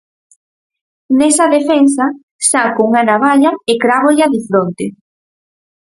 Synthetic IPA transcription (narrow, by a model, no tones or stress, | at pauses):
nesɐðefensa | sakouŋanaβaʎaekɾaβoʎaðɪfɾont̪e